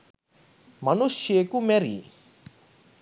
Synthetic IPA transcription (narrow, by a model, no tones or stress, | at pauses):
mɐnuʃjekumɛɾḭ